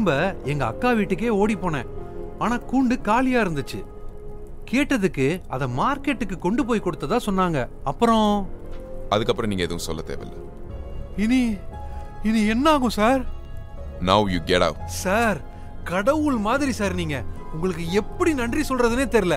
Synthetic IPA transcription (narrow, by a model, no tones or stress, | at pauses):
mbɐɛŋɡɐːkːaːʋiːʈːɯk̬ːeːoːɽipːoːnɛ̃ːaːnaːkuːɳɖɯkaːlɪjaːɪɾɯnd̪ɯt͡ʃːɯ̰ | keːʈːɐðɯkːɯɐðɐ̃maːɾkeʈːɯkːɯkːɔɳɖɯp̬oːjkɔɽɯt̪ːɐt̪ãːsɔnːaːŋɡɐɐpːɯɾɔ̃ | ɐðɯkːɐpːɾɐ̃niːŋɐɛðɐʋʊ̃sɔ̰lːɐt̪ḛːʋɛ̰lːɐ̰ | ɪni | ɪniɛnːaːɣʊ̃saːɾ | nɐwjuːɡɛɽɐ̰ʊʈsaːɾ | kɐɽɐʋɯɭmaːðɪɾisaːɾniːŋɡɐ | ʊŋɡɐɭɯkːɯɛpːɐɽinɐɳɖrisɔlrɐðɯneːt̪ɛɾɪlɐ